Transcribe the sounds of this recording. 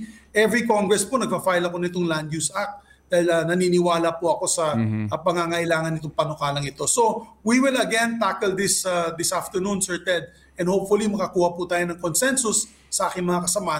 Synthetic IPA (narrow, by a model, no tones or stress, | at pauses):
ʔɛvɹikoŋɡɹɛsponɐɡ̚pafajlɐko̞nɪt̪oŋland̪jusʔak̚t̪̚ | d̪aːhɪlɐnɐninɪwaːlɐpoʔɐko̞sɐpɐŋaŋɐʔɪlaːŋɐnːɪt̪̬oŋpɐnokaːlɐŋɪt̪o̞so̞wiwɪlɐɡɛnt̪akɛld̪ɪsd̪ɪsʔaft̪əɹnũnsɛɹt̪ɛd̪̚ | ʔɛ̃nd̪howpfʊlimɐkɐkuːhɐput̪aːjonɐŋkonsɛnsʊsː | ɐʔaːkɪŋmɐŋakɐsɐmaːh